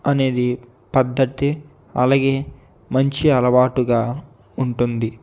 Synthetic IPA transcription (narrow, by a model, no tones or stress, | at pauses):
ɐne̞ːd̪i | pɐd̪ʱːɐt̪i | ɐ̰laːɡe̞ː | mɐɲt͡ʃiɐlɐʋaːʈuɡaː | uɳʈund̪i